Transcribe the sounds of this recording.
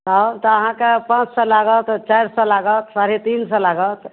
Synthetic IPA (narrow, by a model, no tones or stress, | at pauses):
at̪ɔəɦãkepãt͡ʃsɔlaɡət̪t͡ʃajɾsɔlaɡət̪saɾit̪insɔlaɡət̪